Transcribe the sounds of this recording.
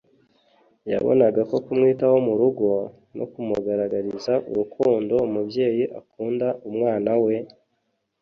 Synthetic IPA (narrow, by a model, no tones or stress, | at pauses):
ja̰βo̰naɡako̞kumŋiːtawomuɾuɡo̞ | nʔo̰kumuɡaɾaɡaɾizaʔṵɾukʰuːndo̞umubje̞ːjiʔakuːndaʔumŋaːnawe̞